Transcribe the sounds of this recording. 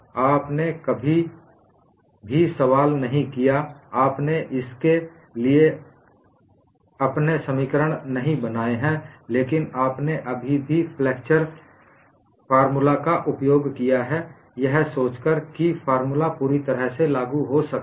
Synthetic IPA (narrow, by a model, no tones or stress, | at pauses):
aːpnekɐbʱi | bʱisɐʋaːlnɐɦĩkijaaːpneʔɪske | lie | ɐpnesɐmikəɾəɽ̃nɐɦĩbɐnaːeɦɛ̃leːkɪnaːpneʔɐbʱibʱipʰlɛːkt͡ʃəɾ | faːɾmulakaʔʊpjoːɡkijaɦɛ | jɛɦsoːt͡ʃkəɾkifʰaːɾmulapuːɾit̪əɾəɦselaːɡuɦosɐk